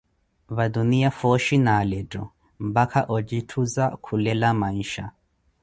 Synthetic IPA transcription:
βadunijafɔʃinaːlɛdɔ̰ | m̩bakʰaʔɔd͡ʒitʰuzakʰulɛlamaiʃa

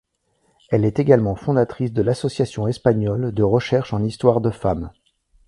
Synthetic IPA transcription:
ɛlɛt̪eɡalmɑ̃fɔ̃d̪at̪χisd̪əlasɔsjasjɔ̃ɛspaɲɔld̪əʁəʃɛʁʃɑ̃nist̪waʁd̪əfam

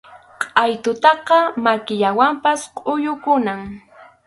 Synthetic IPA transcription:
qʼɑjt̪ʊt̪ɑqɑmakɪʎawampasqʼʊjʊkʊnaŋ

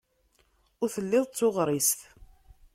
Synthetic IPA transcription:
ʊɾθəlːɪðˤt͡sːʊʁɾˤist̪

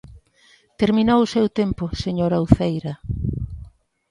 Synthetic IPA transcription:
t̪eɾminowʊsewt̪empʊseɲoɾawθejɾɐ

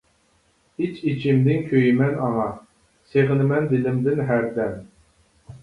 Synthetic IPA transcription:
it͡ʃit͡ʃʰɪmd̪ɪŋkʲʰøjimɛnɑŋɑ | seʁɪnɪmɛnd̪ɪlɪmd̪ɪnɦæɾd̪ɛn

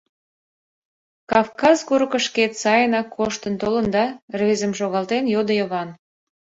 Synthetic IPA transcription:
kɑfkɑzkuɾəkə̆ʃket̪sɑjənɑkʰːoʃt̪ənt̪olənd̪ɑrβezəmʃoɣɑlt̪enjod̪əjəβɑn

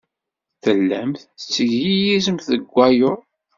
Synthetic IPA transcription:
θəlːæmθət͡sːəʝijizəmθəɡʷːæjʊɾ

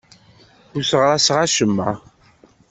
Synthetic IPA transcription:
ʊɾsəʁɾˤæsʁaʃəmːa̰

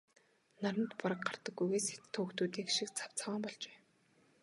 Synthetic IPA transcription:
naɾə̆nt̪paɾə̆k̚ɢar̥t̪ə̆ɡːujɣeːset̪ʰːoːkt̪uːt̪iːkʃik̚t͡sʰḁw̥t͡sʰawaːmpɔɮt͡ɕe̥ː

